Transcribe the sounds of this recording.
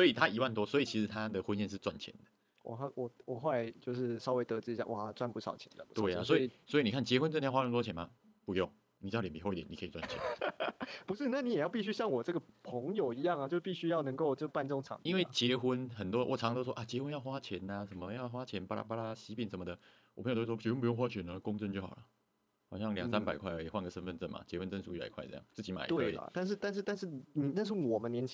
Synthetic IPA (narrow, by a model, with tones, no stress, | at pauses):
swɔ˧˦˥i˨˩t̪ʰa˦i˧˥wa˥˩nt̪wɔ˦swɔ˧˥i˨˩t͡ɕʰi˧˥ʂɻ̩˧t̪ʰa˦d̪ə˨xwə˦njɛ˥˧nʂ̬ɻ̩˥˧t͡swa̰˥˩nt͡ɕʰjɛ̰˧˦nd̪ə̥˦ | wɔ̰˨˩xa˥˩wɔ˨˩wɔ˨˩xo˥˧la˧˥ɪt͡ɕjo˥˧ʊʂɻ̩˥˩sɑ˥ʊwe˧˥ɪt̪ɤ˧˥ʈ͡ʂɻ̩˥˧i˧ja̰˥˩wɔ̰˨˩˥t͡swa˥˧npu˧˥ʂɑ̰˨˩ʊt͡ɕʰjɛ̰˧˦nd̪ə̰˨t̪we˥˩a˨swɔ˧˥i˥˨˩swɔ˧˥i˨ni˨˩kʰa˥˩nt͡ɕjɛ˧˦xwə˦nʈ͡ʂə˥˧t̪ʰjxwa˥ə˧t̪lwɔ˥t͡ɕʰjɛ˨˦nma̰˨ | pu˧˦jo˥˩ŋ | ni˨˩t͡ɕlɛ˨˩pi˥o˥˧i˥t̪jɛ˨ni˨kʰə˧˥i˨˩t͡swa˥˩nt͡ɕʰjɛ̰˧˦ | pu˧˥ʂɻ̩˥˨na˥˩ni˨˦jɛ˨˩jɑ˥˧ʊpi˥˩ɕy˥ɕjɑ˥˩ŋwɔ˨˩ʈ͡ʂɤ˥˩ɡə˨˩pʰɤ˧˥ŋjo˨˩ʊi˧˥jɑ˥˩ŋa˩t͡ɕjo˥˧ʊ˥pi˥˩ɕy˥jɑ˥˩ʊnɤ˧˥ŋko˥˧ʊt͡ɕɤ˥˧pa˥˧nʈ͡ʂo˥˩ŋʈ͡ʂʰɑ̰˨˦ŋi˥nwe˥˩ɪt͡ɕjɛ˧˥xu˦˥nxə˨˩nt̪wɔ˥˧wɔ˨˩ʈ͡ʂʰɑ˧˥ŋ˧t̪o˥ʊʂwʔa˨˩t͡ɕjɛ˧˥xwə˥njɑ˥˩ʊxwa˥t͡ɕʰjɛ˧˥na˧ʂə˨˩mə˦jɑ˥˩ʊxwa˥t͡ɕʰjɛ˧˥npa˥la̰˥˩pa˥la˦ɕi˧˥pi˨˩ŋsə˨˩nmə˧d̪ə˨ | wʰŋj̪o˥˩wɔ˥t͡ɕɛ˧˥wə˥npu˧jo˥˧ŋxwa˦˥t͡ɕʰɛ˧˥nə˧kʊ˥˧ŋʈ͡ʂnt͡ɕjo˥ʊxɑ̰˨˩lə˦ | xɑ˨˩ʊɕjɑ˥˩ŋljɑ˨sa˦˥npa˨˩ɪkʰwa˥ɪ˥˩˨xwa˥˧nɡə˩sə˥nfə˥˧nt͡sə˥˩nma̰˨˩t͡ɕjɛ˧˥xwə˦nt͡sə˥˧nsu˨˦i˥˩la̰˨˩kʰwa˥˩ɤ̰˥˧jɑ˥˩ŋt͡sɹ̩˥˩t͡ɕi˧˥ma̰˨˩ɪt̪wḛ˥˩˥t̪a˥˧nʂɻ̩˥˧t̪a˥˧nʂ̬̩˥˧t̪a˥˧nʂɻ̩˥˩ni˨˩t̪a˥˧nʂ̬ɻ̩˥˩wɔ˨˩mə˦nljɛ˧˥nt͡ɕʰ